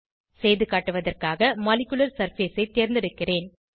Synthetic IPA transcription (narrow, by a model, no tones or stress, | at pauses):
sɛjðɯkaːʈːɯʋɐðɐrkaːɣɐmɐlɪkʲːʊlɐɾsɐɾfeːsɐɪt̪ːeːɾnd̪ɪɽɯkːɪreːn